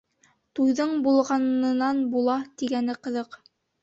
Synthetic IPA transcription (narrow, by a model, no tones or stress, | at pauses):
t̪ujðɤɴbulˠʁɑnɤ̆nɑnbulˠɑt̪iɡænɘqɤ̆ðɤq